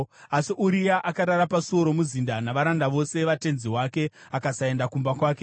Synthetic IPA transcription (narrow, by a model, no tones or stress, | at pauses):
asiʔuɾijaʔakaɾaɾapaso̞ɾo̞muzindanaʋaɾandaʋo̞se̞ʋate̞nziɦwake̞akasae̞ndakumbakwaːk̬e